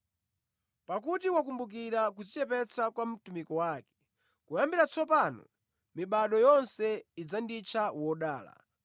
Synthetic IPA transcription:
pakutiwakumbuk̬iɾak̬ud͡zit͡ʃɛpɛt͡sakwam̩tumikɔwakɛ̥ | kujambiɾat͡sɔpanɔ̰ | miɓaɗɔjɔnsɛid͡zandit͡ʃʰawɔɗa̰ːla̰

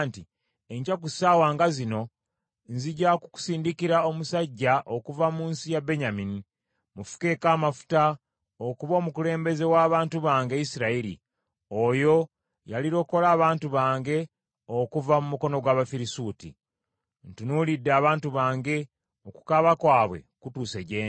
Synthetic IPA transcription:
nti | e̞ɲcakusaːwaːŋɡazino̞ | nziɟaku̥ku̥siːndikiɾao̞musaɟːaʔokuvamuːnsijabe̞ɲamini | mufu̥ke̞kaːmafu̥ta | okuβo̞ːmukule̞ːmbe̞ze̞waːβaːntuβaːŋɡe̞isiɾaiɾḭ | o̞jo̞ | jaliɾo̞ːko̞laːβaːntuβaːŋɡe̞ | okuvamumuko̞no̞ɡwaːβafiɾisuːtḭ | ntunulidːeaːβaːntuβaːŋɡe̞ | oku̥kaβakwaːβwe̞̰kutuːseɟeː

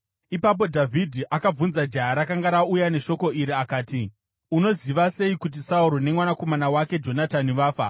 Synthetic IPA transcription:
ipap̬o̞dʱavʱidʱiʔakab͡vunzad͡ʒaɦaɾakaŋɡaɾaujane̞ʃo̞ko̞ʔiɾiakaːti | uno̞ziʋase̞ikut̬isauɾo̞ne̞mwanako̞manawake̞d͡ʒo̞nataniʋaːfa̰

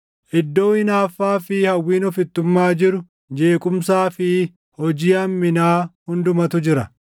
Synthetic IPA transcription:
ʔɪd̪ːo̞ːɪnaːfːaːfɪhɐwːiːnɔfɪt̪ːʊmːaːd͡ʒɪɾʊ | d͡ʒe̞ːkʼʊmsaːfɪ | hɔd͡ʒiːɐmːɪnaːhʊnd̪ʊmɐt̪ʊd͡ʒɪɾɐ

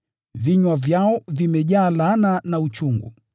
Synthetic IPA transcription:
viɲwavjaɔvimɛʄaːlananaut͡ʃuŋɡṵ

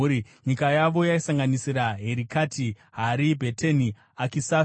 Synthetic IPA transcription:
ɾiɲikajaʋo̞jaisaŋɡanisiɾaɦe̞ɾikatʰi | ɦaɾibʱeteni | akisa

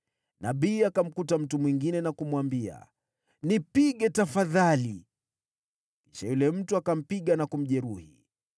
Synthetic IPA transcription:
na̰ɓiːakam̩kutam̩tumwiŋɡinɛnakumwambia̰ | nipiɠɛtafaðali | kiʃajulɛm̩tuakam̩piɠanakum̩ʄɛɾuhi

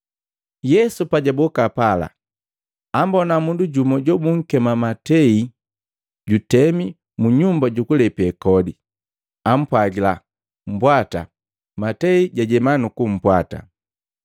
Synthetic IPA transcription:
jɛsupaɟabɔkapala̰ | ambɔnamunduɟumɔɟɔbuŋ̩kɛmamatɛi | ɟutɛmi | muɲumbaɟukulɛpiɛkɔdi | am̩pwaɡila | m̩bwata̰ | matɛiɟaɟɛmanukum̩pwata̰

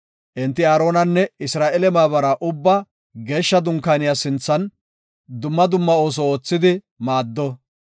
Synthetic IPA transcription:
ʔɪnt̪ːɪaːɾo̞ːnɐnːɛɪsɾaːʔɛlɛmaːβɐɾɐʔʊbːɐ | ɡe̞ːʃːɐd̪ʊŋkaːnɪjaːsɪnt͡sːɐn | d̪ʊmːɐd̪ʊmːɐo̞ːs̬ɔoːt͡sːɪd̪ɪ | maːd̪ːɔ

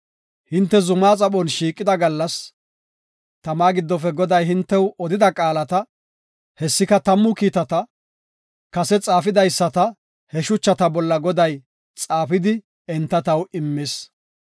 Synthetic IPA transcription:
hɪnt̪ːɛzʊmaːt͡sʼɐɓɔnʃiːkʼːɪd̪ɐɡɐlːɐs | t̪ɐmaːɡɪd̪ːɔfɛɡɔd̪ɐjɦɪnt̪ːɛwɔd̪ɪd̪ɐkʼaːlɐt̪ɐ | hɛsːɪkɐt̪ɐmːʊkiːt̪ɐt̪ɐ | kɐsɛt͡sʼaːfɪd̪ɐjsːɐt̪ɐ | hɛʃʊt͡ʃːɐt̪ɐbɔlːɐɡɔd̪ɐj | t͡sʼaːfɪd̪ɪ | ɛnt̪ːɐt̪ɐwɪmːɪs

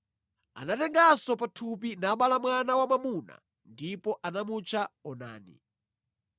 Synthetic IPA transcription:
a̰natɛŋɡasɔpatʰupinaɓalamwanawamamuna̰ | ndipɔʔanamut͡ʃʰaɔna̰ːnḭ

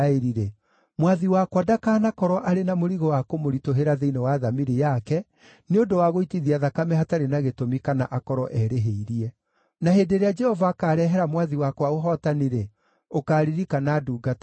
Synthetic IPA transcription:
eɾiɾe | mwaðiwakwadakaːnakɔɾɔʔaɾenamoɾiɣɔwakomoɾitoɦeɾaðeinewaːðamiɾejakɛ | neondowaɣoitiðiaðakamɛɦataɾenaɣetomikana̰ʔakɔɾɔʔɛɾeɦeiɾiɛ | naheːdeɾead͡ʒɛhɔvakaːɾɛɦɛɾamwaðiwakwaoɦɔtaniɾe | okaːɾiɾikanaːduːɡatḁ

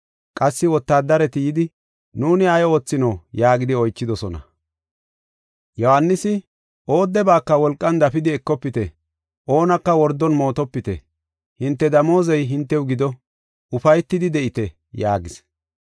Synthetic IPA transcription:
kʼɐsːɪwɔt̪ːaːd̪ːɐɾɛt̪ɪjɪd̪ɪ | nuːnɪɐjo̞ːt͡sːɪnɔːjaːɡɪd̪ɪɔjt͡ʃːɪd̪ɔsɔnɐ̰ | jɔhanːɪsɪ | ʔo̞ːd̪ːɛbaːkːɐwɔlkʼːɐnd̪ɐfɪd̪ɪɛkːɔpːɪt̪ɛ | ʔo̞ːnɐkːɐwɔɾd̪ːɔnmo̞ːt̪ɔpːɪt̪ɛ̰ | hɪnt̪ːɛd̪ɐmo̞ːzɛjɦɪnt̪ːɛwɡɪd̪ɔ | ʊfɐjt̪ːɪd̪ɪd̪ɛʔɪt̪ɛ | jaːɡɪs

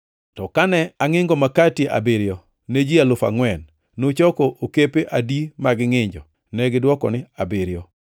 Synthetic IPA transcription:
tɔkanɛaŋɪŋɡɔmakatjeʔa̰bɪɾjɔ | ned͡ʒialʊfa̰ŋwɛnː | ot͡ʃɔkɔʔokepeʔadimaɡɪŋɪɲd͡ʒɔ | nɛɡɪdwɔkɔ̰nɪabɪɾjɔ

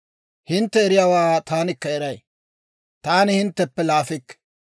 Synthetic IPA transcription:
hɪnt̪ːɛɛɾɪjaːwaːt̪aːnɪkːɐɛɾɐj | t̪aːnɪhɪnt̪ːɛpːɛlaːfɪkː

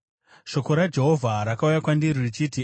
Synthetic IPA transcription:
ʃo̞ko̞ɾad͡ʒe̞ɦo̞vʱaɾakaujakwandiɾirit͡ʃiːti

